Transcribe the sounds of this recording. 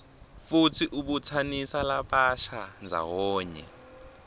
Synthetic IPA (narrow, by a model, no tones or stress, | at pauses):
futʰiʔuɓut͡sʰanisalaɓaʃand͡zʱa̰wɔːɲɛ̰